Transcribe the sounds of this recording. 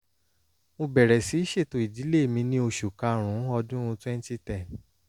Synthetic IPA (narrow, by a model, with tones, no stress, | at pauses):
mõ˧bɛ˨ɾɛ˨si˨˦ʃe˦˨to˧˨i˨di˨˦le˦˨mĩ˧nĩ˦o˧ʃu˨kã˧ɾ̃ũ˨˦ɔ˧dũ˦ɾũ˧twɛ̃˦n˦ti˦tɛ˨n